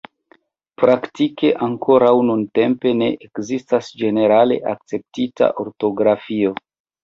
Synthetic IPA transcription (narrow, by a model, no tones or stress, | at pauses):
pɾaktike̞ʔaŋko̞ɾawnunte̞mpe̞ne̞̰ʔekzistasd͡ʒe̞ne̞ɾale̞̰ʔak̚t͡se̞p̚tita̰ʔo̞ɾto̞ɡɾafio̞